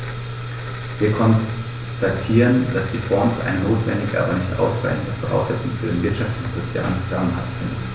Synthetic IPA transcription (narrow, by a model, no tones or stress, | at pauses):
v̥iːɐkʰɔn | statʰiːʁənd̥asd̥iːfɔɐmsʔa̰ɪnənoːtv̥ɛ̰ndɪɡəʔa̰ːbɐnɪçtʔa̰ʊsʁ̥a̰ɪçn̩dəfɔʁa̰ʊsz̥ɛt͡sʊŋfyːɐdeːnvɪɐtʃaftɪçʊntz̥ot͡sja̰ːlənzot͡sja̰ːlənʔa̰ksɪn